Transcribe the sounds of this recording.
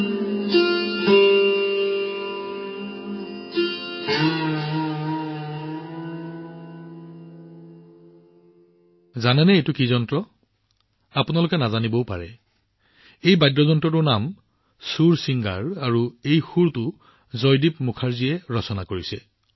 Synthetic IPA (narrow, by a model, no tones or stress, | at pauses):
zanɛnɛejtʊkizɔntɹɔ | apʊnalʊkɛnazanibɔwpa̰ɹɛ̰ | ejbajdɹɔzɔntɹɔtʊnam | suɹsiŋɡa̰ɹaɹuejxuɹtʊ | zɔjdipmukʰaɹzijɛɹɔsɔnakoɹisɛ̰